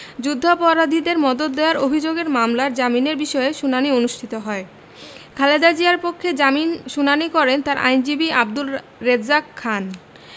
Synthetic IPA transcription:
d͡ʑud̪ʱːopɔɾad̪ʱid̪eɾmɔd̪ot̪̚d̪eoaɾobʱid͡ʑoɡeɾmamlaɾd͡ʑamineɾbiʃɔeʃunanionuʃʈʰit̪oɦɔe | kʰaled̪ad͡ʑiaɾpokʰːed͡ʑaminʃunanikɔɾent̪aɾʔa̰jnd͡ʑibiab̚d̪ul | ɾed̪zakʰːan

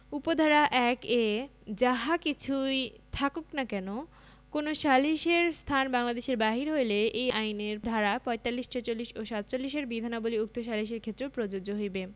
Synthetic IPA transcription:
upod̪ʱaɾaʔɛked͡ʑaɦakit͡ɕʰujt̪ʰakoknakɛno | konoʃaliʃeɾst̪ʰanbaŋlad̪eʃeɾbaɦiɾɦojleʔejajneɾd̪ʱaɾapɔjt̪alːiʃʈat͡ɕolːiʃoʃat̪t͡ɕolːiʃeɾbid̪ʱanaboliuk̚t̪oʃ̬aliʃ̬eɾkʰet̪ːɾopɾod͡ʑod͡ʑoɦojbe

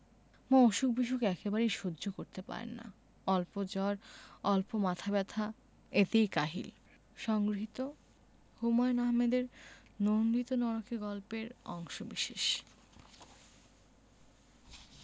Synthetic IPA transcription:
mooʃuk̚biʃ̬ukɛkebaɾejʃodːʑokoɾt̪epa̰ɾḛnːa̰ | ɔlpod͡ʑɔɾɔlpomat̪ʰabɛt̪ʰa | et̪ejkaɦḭl | ʃɔŋɡɾiɦit̪o | humɔenaɦmed̪eɾ | nonlit̪onɔɾokeɡɔlpeɾɔ̰ŋʃobiʃeʃ

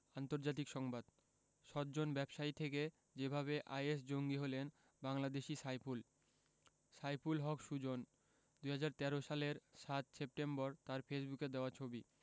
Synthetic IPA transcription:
ant̪oɾd͡ʑat̪ikʃɔŋbad̪ | ʃɔt̪d͡ʑonbɛbʃait̪ʰeke | d͡ʑebʱaβeʔa̰jes̬d͡ʑoŋɡiɦolen | baŋlad̪eʃisajpul | sajpulɦɔkʃud͡ʑon | d̪uɦad͡ʑaɾt̪ɛɾoʃaleɾʃat̪sep̚ʈembɔɾt̪aɾfesbuked̪eoat͡ɕʰobi

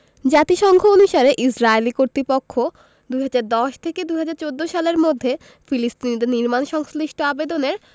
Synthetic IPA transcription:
d͡ʑat̪iʃɔŋɡʱoonuʃaɾeʔisɾaelikoɾt̪ɾipokʰːo | d̪uɦad͡ʑaɾd̪ɔʃt̪ʰeked̪uɦad͡ʑaɾt͡ɕod̪ːoʃaleɾmod̪ʱːe | filist̪inid̪eɾniɾmanʃɔŋsliʃʈʰoabed̪oneɾ

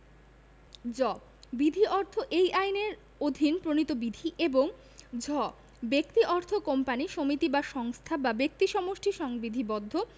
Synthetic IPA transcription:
d͡ʑɔ | bid̪ʱiʔɔɾt̪ʰoʔejʔajneɾ | od̪ʱinpɾonit̪obid̪ʱiʔeboŋ | d͡ʑɔ | bekt̪iʔɔɾt̪ʰokɔmpaniʃomit̪ibaʃɔŋst̪ʰababek̚t̪iʃɔmoʃʈʰiʃɔŋbid̪ʱibɔd̪ʱːo

